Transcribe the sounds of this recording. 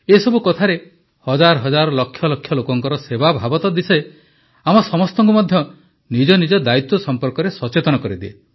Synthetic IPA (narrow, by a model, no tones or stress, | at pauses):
esɔbukɔt̪ʰaɾe | hɔd͡ʒaɾɔɦɔd͡ʒaɾɔlɔkʰjɔlɔkʰːjɔlokɔŋkɔɾɔsebabʱabɔt̪ɔd̪ise | amɔsɔmɔst̪ɔŋk̬umɔd̪ʱjɔ | nid͡ʒɔnid͡ʒɔd̪ait̪wɔsɔmpɔɾkɔɾesɔt͡ʃet̪ɔnɔkɔɾid̪ie